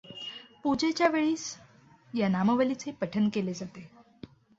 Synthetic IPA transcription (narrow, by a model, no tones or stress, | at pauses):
pud͡ʑet͡ɕjaʋeɭiːs | janaməʋəlit͡sepəʈʰənkeled͡zat̪e